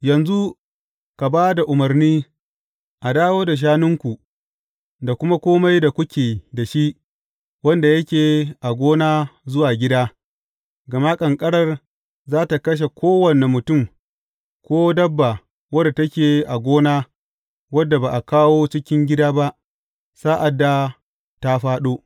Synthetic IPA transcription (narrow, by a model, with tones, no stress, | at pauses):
jɐ˨nzu˦ | ka˨baː˦da˨ʔʊ˨mɐ˨rniː˦ | ʔa˨daː˦woː˦da˨ʃ̬aː˦nʊ˦ŋkʷu˨ | da˨kʷʊ˦ma˦kʷoː˦ma˦jda˨kʷʊ˦kʲeː˨da˨ʃi˦ʔ | wɐ˦nda˨jɐ˦kʲeː˨ʔa˨ɡʷoː˦naː˦zʊ˦waː˨ɡʲɪ˦daː˦ | ɡɐ˨ma˦kʼɐ˨ŋkʼɐ˦ɽɐ˦˨r | zaː˦ta˨kɐ˦ʃ̬e˨kʷoː˦wɐ˨ne˨mʊ˨tʊ˦˨m | kʷoː˦dɐ˦bːa˨ | wɐ˦da˨tɐ˦kʲeː˨ʔa˨ɡʷoː˦naː˦ | wɐ˦dːa˨ba˨ʔa˨kaː˦woː˦t͡ʃɪ˦kʲɪ˦ŋɡʲɪ˦daː˦ba˦ʔ | saː˦ʔa˨dːa˦ | ta˦ɸaː˦ɗoː˦